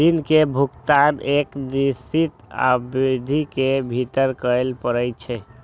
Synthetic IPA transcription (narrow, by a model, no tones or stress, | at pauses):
d̪inkebʱukt̪anekd͡ʒisit̪a̰bɾid̪ʱikebʱit̪əɾkəelpəɾəjt͡ʃʰɛ